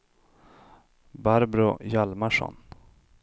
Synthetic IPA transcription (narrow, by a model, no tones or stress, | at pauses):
baɾbɾʊjalmaʂɔ̰n